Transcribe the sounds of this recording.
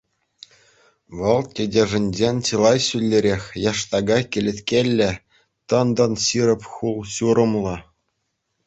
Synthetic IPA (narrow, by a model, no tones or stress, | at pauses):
ʋɤ̆lˠtʲedʲeʐɘ̆nʲd͡ʑenʲt͡ɕɯlˠɑjɕylʲːɘ̆ɾʲexʲjɑʂt̪ɑɡɑkʲɘ̆lʲɘ̆t̪ʲkʲelʲːɘ̆ | t̪ɤ̆nd̪ɤ̆nɕiɾɤ̆pʲχulˠɕuɾɤ̆mlˠɤ̆